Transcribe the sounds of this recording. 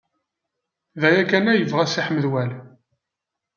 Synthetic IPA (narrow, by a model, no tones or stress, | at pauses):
ðæjækænæjəvʁæsiħmːəðwæl